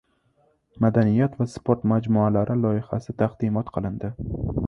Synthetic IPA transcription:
mad̪anɪjat̪vaspʰoɾt̪mad͡ʒmualaɾʔɪlˠɒɪha̰sɪt̪ʰaqd̪̥ɪmɒt̪qʰɨlˠɪnd̪ɪ

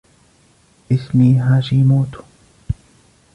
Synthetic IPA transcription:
ʔɪsmiːɦaːʃiːmuːt̪u̥

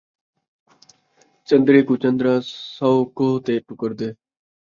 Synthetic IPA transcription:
t͡ʃə̃nd̪ɾeːkut͡ʃənd̪ɾaːsəwkoːt̪eːʈʊkəɾd̪eː

